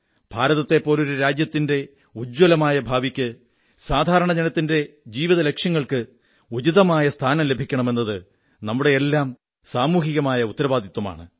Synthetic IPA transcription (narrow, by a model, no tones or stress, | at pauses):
b̥ʱaːɾɐðɐt̪ːe̞pːo̞ːlo̞ɾuɾaːd͡ʑjɐt̪ːinde̞ | ud͡ʑwɐlɐmaːjɐbʱaːʋikʲːɨ | saːd̪ʱaːɾɐɳɐd͡ʑenɐt̪ːinde̞d͡ʑiːʋiðɐle̞kʂjɐŋːɐɭkɨ | ut͡ɕiðɐmaːjɐst̪ʰaːnɐmlebʱikʲːɐɳɐme̞nːɐðɨ | nɐmːuɽe̞elːaːm | saːmuːɦiɣɐmaːjɐut̪ːɐɾɐʋaːd̪ʱit̪ːwɐma̰ːɳɨ̰